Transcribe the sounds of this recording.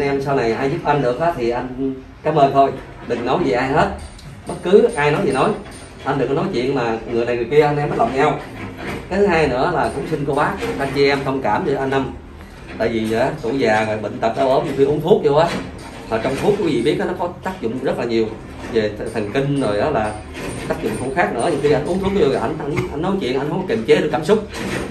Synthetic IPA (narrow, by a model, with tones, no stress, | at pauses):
nʔɛ˧msaː˧wna˨˩jʔaː˧jzʊ˦˥p̚ʔa˧nɗɨ˨˩ək̚ʔaː˨˦t̪ʰi˨˩ʔa˧jŋ | kaː˨˦mʔəː˧nt̪ʰo˧j | ɗɨ˨˩ŋnɔ˨˦jzi˨˩ʔaː˧jɦe˦˥t̚ | ɓə˦˥t̚kɨ˨˦ʔaː˧jnɔ˨˦jzi˨˩nɔ˨˦j | ʔa˧nɗɨ˨˩ŋknɔ˨˦jt͡ɕwḭ˧˨ənmaː˨˩ŋɨ˨˩əjna˨˩jŋɨ˨˩jki˧əʔa˧nʔɛ˧mːəː˦˥lə̰˨wɲa˧wkaː˨˦t̪ʰɨ˨˧ɦaː˧jnɨ̰˧˥əlaː˨˩kʊ̰˧˥ŋ͡msï˧ŋ̟ku˧˩əɓaː˨˦˥ʔa˧nt͡ɕi˧ʔɛ˧mt̪ʰə˧wŋ͡mkaː˧˩mzə˧˩ʔa˧nʔa˧m | t̪a̰ː˧˨jvi˨˩zʔaː˨˦t̪ṵ˧˩zaː˨˩ɣɔ̰˨˩jɓḭ˧˨ŋ̟t̪ə˨˩t̚ɗə˧wʔəː˧˩ɲɨ̰˨˩ŋxi˧ʔʊ˨˦nt̪ʰu˦˥k̚ɲo˧ʔaː˨˦ | t̪ʰɔː˨˩t͡ɕɔ˧wŋ͡mt̪ʰu˦˥ək̚wi˨˦vḭ˧˨˩ɓi˦˥ət̚ka˨˦nɔ˨˦kɔ˨˦t̪aː˦˥k̚zʊ̰˧˨ŋ͡mzə˦˥t̚laː˨˩ɲi˨˩əw | ve˨˩˨t̪ʰə˨˩nki˧ŋ̟zo˨˩jʔaː˨˦laː˨˩ | t̪aː˦˥k̚zʊ̰˧˨ŋ͡mt̪ʰu˧˩˦xaː˦˥k̚nɨ̰˧˥ɲɨ̰˨˩ŋxi˧ʔa˧jʔu˨˦ənt̪u˦˥k̚ɲo˧i˨˩ʔa˧jŋa˧ŋʔa˧jŋnɔ˨˦jt͡ɕḭ˧˨ənʔa˧n̟hə˧ŋ͡mke˨˩mt͡ɕe˨˦ɗɨ˨˩kaː˧˩msʊ˦˥k͡p̚